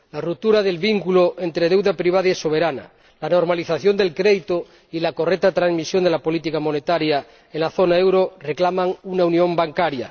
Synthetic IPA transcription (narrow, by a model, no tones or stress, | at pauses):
larut̪ːuɾaðelβiŋkuloʔe̞nt̪ɾeðe̞wðapɾiβ̞aðaeso̞β̞e̞ɾana̰ | lano̞ɾmaliθaθjo̞nd̪elkɾeðit̪o | ilako̞rek̚t̪at̪ɾanzmisjo̞nd̪e̞lapo̞lit̪ikamo̞ne̞t̪aɾja | enlaθo̞naewɾoreklamaŋunaunjõ̞mbaŋkaɾja̰